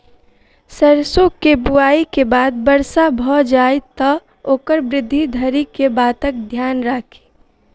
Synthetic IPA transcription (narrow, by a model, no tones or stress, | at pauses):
səɾsokebuaːikebaːd̪̚bəɾsabʱɔd͡ʒaːet̪ɔ | oːkəɾbɾɪd̪ʱːid̪ʱəɾikebaːt̪ək̚d̪ʱjaːnɾakʰe̥